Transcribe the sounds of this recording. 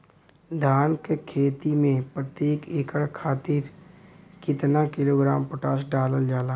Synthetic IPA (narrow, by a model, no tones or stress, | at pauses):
d̪ʱaːnkekʰeːt̪imẽpɾət̪jeːkeːkəɽkʰaːt̪iːɾ | kɪt̪nakɪloːɡɾaːmpəʈaːsɖaːləld͡ʒaːlaː